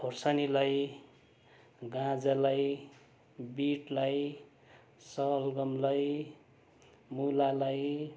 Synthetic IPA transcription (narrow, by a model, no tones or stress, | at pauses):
pʰorsanilaj | ɡãd͡zalaj | biʈlaj | sʌlɡʌmlaj | mulalaj